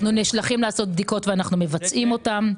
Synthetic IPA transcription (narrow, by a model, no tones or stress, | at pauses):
nuniʃlaχimlaːso̞t̪̚bd̪iko̞t̪veanaχnume̞vat͡sʔimo̞tam